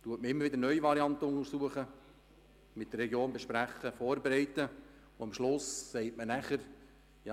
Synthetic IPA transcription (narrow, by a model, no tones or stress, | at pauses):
t̪uətməɾɪmːəɾvʋɪdəɾnœʏiʋɑɾiɑnt̪əʊŋəɾsuəχə | mɪtd̪ərːɛɡjoːnbɛʃpɾæχəfoːrbeɾɛɪtə | ʊɑmʃlʊsːɛɪtmənæχəɾ | jɑ